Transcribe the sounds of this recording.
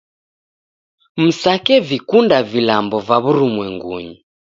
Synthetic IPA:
m̩sakɛvikundavilambɔvaβuɾumwɛŋɡṵɲi

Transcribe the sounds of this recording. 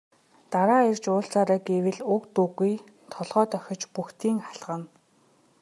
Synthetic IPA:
t̪aɾaːerʲt͡ɕʊːɬt͡saːɾaːɡewɘ̆ɮʊkt̪uɣuj | t̪ʰɔɮʁœːt̪œxʲɞ̆t͡ɕpuxt̪ʰiːŋχaɮʁə̆n

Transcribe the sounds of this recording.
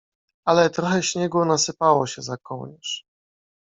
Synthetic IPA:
alɛt̪ɾɔxɛɕɲɛɡwɔnasɘpawɔɕɛzakɔwɲɛʂ

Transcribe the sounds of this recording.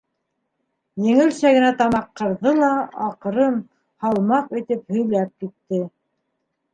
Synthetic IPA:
jɘ̆ŋɘ̆lsæɡɘ̆næt̪ɑmɑqːɤ̆ɾðɤlˠɑɑq̆ɾɤn | hɑlˠmɑqit̪ɘphɵ̆jlæp̚kit̪ːɘ

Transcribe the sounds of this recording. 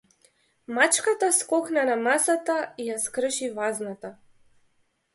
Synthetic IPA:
mat͡ʃkat̪askɔxnanamasat̪aijaskɾʃivaznat̪a

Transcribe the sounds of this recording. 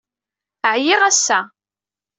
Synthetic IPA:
əʕjɪʁæsːæ

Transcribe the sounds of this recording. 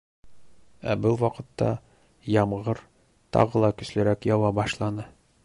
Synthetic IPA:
æ̰bɤlˠwɒqɤ̆t̪ːɑ | jɒmʁɤɾ | t̪ɒ̰ʁɤlˠɑkɵ̆slɘ̆ɾækjɒwɑbɒʃlˠɑnɤ

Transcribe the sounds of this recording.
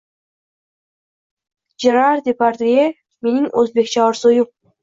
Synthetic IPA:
d͡ʒeɾaɾd̪ʲepaɾt̪e | meniŋɵzbekʲt͡ʃʰɑɾsoju

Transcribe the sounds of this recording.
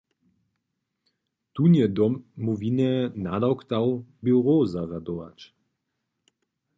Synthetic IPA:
t̪unjɛd̪ɔmːuvinɛnad̪awkt̪awbiwʁozaʁad̪oʋa̰t͡ʃ

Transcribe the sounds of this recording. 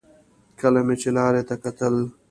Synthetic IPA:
kəlamet͡ʃelɑːɾet̪akɐt̪əl

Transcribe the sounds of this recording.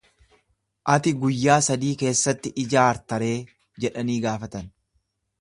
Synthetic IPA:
ʔɐt̪ɪɡʊjːaːsɐd̪iːke̞ːsːɐt̪ːɪʔɪd͡ʒaːɾt̪ɐɾe̞ː | d͡ʒɛᶑɐniːɡaːfɐt̪ɐn

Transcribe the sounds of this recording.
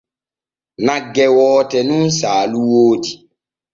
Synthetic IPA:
nãɡɛwɔːtɛnũn̩saːluwoːdi

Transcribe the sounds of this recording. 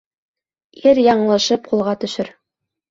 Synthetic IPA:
iɾjɑɴlˠɤ̆ʃɤp̚qulˠʁɑt̪ɵ̆ʃɘɾ

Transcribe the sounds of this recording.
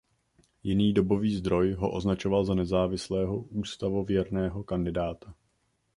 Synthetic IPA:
jɪniːdo̞bo̞viːzd̪ɾo̞jɦo̞̰ʔo̞znat͡ʃovalzanɛzaːvɪslɛːɦo̞ʔuːst̪avo̞vjɛɾnɛːɦo̞kandɪdaːt̪a

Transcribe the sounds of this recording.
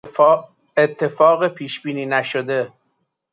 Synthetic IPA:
et̪ʰːe̞fɒːɣepʰiːʃb̥iːniːnæʃod̪e

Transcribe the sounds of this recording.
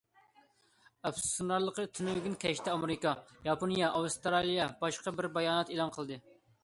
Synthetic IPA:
ɑpssunɑɾlˠəqət̪ʰynɪwɡʲinkʲʰɛʃt̪ʰɛɑmeɾɪkɑjɑponijɑʔɑwst̪ɾɑlˠijɑbɑʃqɑbɪɾbɑjɑːnɛt̪elˠɑnqʰəlˠd̪ɨ

